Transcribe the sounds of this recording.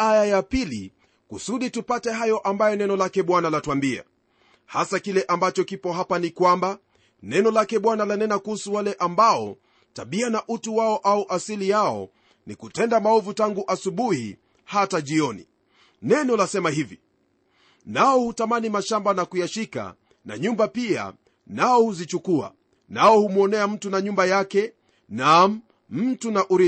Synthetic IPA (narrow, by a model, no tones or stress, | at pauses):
ajajapili | kusuɗitupatɛɦajɔʔambajɔnɛnɔlakɛɓwanalatuambia̰ | hasakilɛʔambat͡ʃɔkipɔɦapanikwamba | nɛnɔlakɛɓwanalanɛnakuhusuwalɛʔambaɔ | taɓianaʔutuwaɔʔauʔasilijaɔ̰ | nḭkutɛndamaɔvutaŋɡuʔasuɓuhḭ | hataʄiɔnḭ | nɛnɔlasɛmaɦivḭ | naɔhutamanimaʃambanakujaʃika̰ | na̰ɲumbapia̰ | naɔhuzit͡ʃukua̰ | naɔhumɔnɛam̩tunaɲumbajakɛ | nam̩ | m̩tunaʔuɾi